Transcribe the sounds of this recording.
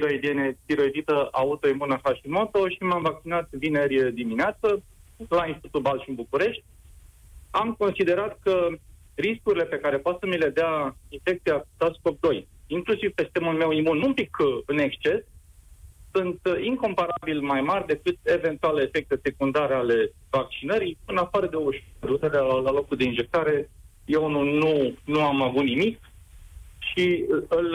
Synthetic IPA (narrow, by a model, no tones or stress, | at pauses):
ɾoid̪ienet̪iɾo̞ed̪it̪əʔaut̪o̞imunəxaʃimo̞t̪o̞ʃimamvak̚t͡ʃinat̪vinerʲjd̪imineat̪sə | lainst̪it̪ut̪̚balʃiɨnbukuɾe̞ʃt̪ʲ | amko̞nsid̪e̞ɾat̪̚kə | riskuɾile̞pe̞kaɾe̞poat̪səmile̞d̪eainfe̞k̚t̪siat̪askok̚d̪o̞j | iŋklusivpe̞st̪emulme̞wimunumpikɨne̞kst͡ʃe̞sː | unt̪iŋko̞mpaɾabilmajmarʲd̪e̞kɨt̪̚e̞ve̞nt̪ualefe̞k̚t̪e̞se̞kund̪aɾeale̞ | vak̚t͡ʃinəɾijɨnafaɾəd̪e̞oʃd̪ut̪elealalo̞kuld̪e̞inʒe̞k̚t̪aɾe̞ | je̞wunununuamavut̪nimik | ʃiɨl